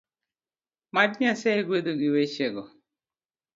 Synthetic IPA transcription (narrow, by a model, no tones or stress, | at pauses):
madɲasɛɡwed̪oɡiwet͡ʃeɡɔ